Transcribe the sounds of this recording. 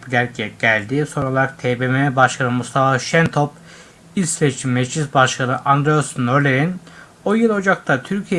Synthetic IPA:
plʲæɾcʰɛɟ̥ælʲd̪iso̞nɾulˠaɾak̚t̪ʰebememɛbaʃkʰanɯmust̪ʰafaʃɛnt̪ʰop | ilʲsset͡ʃʰimːɛd͡ʒd͡ʒʰisbaʃkʰanɯʔand̪ɾeosnøɾlʲeɾin | ojelʲˠo̞d͡ʒak̚t̪ʰat̪ʰyɾcʰijɛ

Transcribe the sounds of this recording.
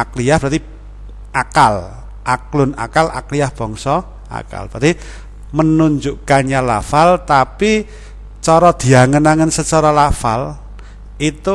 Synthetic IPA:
akliahb̥ɾat̪i | akal | ʔaklʊna̰kala̰kliahb̥ɔ̤ŋsɔ | a̰ka̰lbə̥ɾat̪i | mənuɲd͡ʒuʔkaɲɲalafalt̪api | t͡ʃɔɾɔd̪̥i̤aŋənaŋənsət͡ʃɔɾɔlafa̰l | it̪u

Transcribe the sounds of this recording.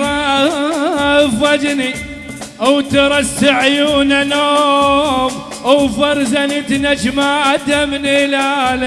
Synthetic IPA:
ɾˤɑ | fad͡ʒni | ʔawt̪ɑɾˤɑsaʕjuːnanoːm | awfɑɾˤzanit̪nad͡ʒmaʔad̪amnilala

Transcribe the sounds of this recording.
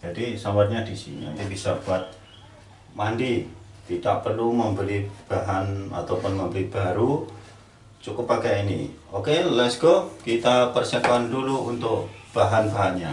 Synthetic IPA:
d͡ʒadisawarɲadisḭɲa̰inibisab̥uat̪̚ | mandit̪idaʔ̚pərluməmbəlib̥aɦana̰t̪awpʊnməmbəlib̥aɾu | t͡ʃukʊpːaɡainḭokelɛsɡokit̪apərsakuanduluunt̪ʊkb̥aɦanbaɦanɲa

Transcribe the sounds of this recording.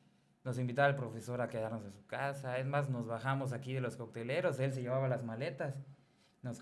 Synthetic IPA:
no̞simbit̪aβalpɾo̞fe̞so̞ɾake̞ðaɾno̞sensukasaezmazno̞zβaxamo̞s̬akiðe̞lo̞skok̚t̪e̞le̞ɾo̞se̞ls̬eʝe̞βaβalazmale̞t̪as | nos

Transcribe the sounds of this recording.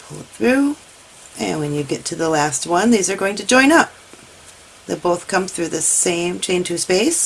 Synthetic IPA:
pʰʊ̰lˠt̪̚θɹʉ | ʔɨ̰̃nwɨ̃njɨɡɛtʰɨðəlæst̚wʌ̃nðizə˞ɡoʊɪ̃ŋtʰɨd͡ʒɔ̃ɪ̃nʌp̚ | ðeɪboʊθkʰʌ̃mθɹʉðɪsẽɪ̃mt͡ʃʰẽɪ̃ntʰʉspeɪs

